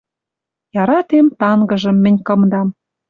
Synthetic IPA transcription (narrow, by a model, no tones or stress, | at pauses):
jɑɾɑt̪emt̪ɑŋɡɤ̆ʒɤ̆mːɘ̆nʲkɤ̆md̪ɑm